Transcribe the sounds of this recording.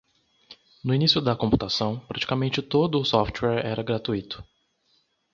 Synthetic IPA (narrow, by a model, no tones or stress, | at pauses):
nʊinisjʊd̪ɐkõmpu̥t̪asɐ̃w̃pɾat͡ʃi̥kamẽnt͡ʃɪt̪od̪ʊːsɔft͡ʃwɛɾɛɾɐɡɾat̪uit̪ʊ̥